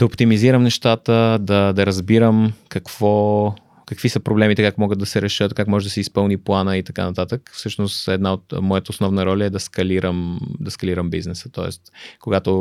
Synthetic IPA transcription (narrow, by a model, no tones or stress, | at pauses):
d̪ɐopt̪imiziɾəmnɛʃt̪at̪əd̪ɐd̪ɐɾɐzbiɾəmkɐkv̥ɔ | kɐkvisəpɾoblɛmit̪ɛkakmɔɡət̪d̪ɐsɛɾɛʃət̪kakmɔʒɛd̪ɐsɛispɤlˠniplˠanəit̪ɐka̰nɐt̪at̪əkfsɤʃnost̪ɛd̪naot̪mɔjət̪əoʊsnɔvnəɾɔlʲəɛd̪ɐskɐliɾəmd̪ɐskɐliɾəmbḭznɛsə̥t̪ɔɛ̰st̪koɡat̪o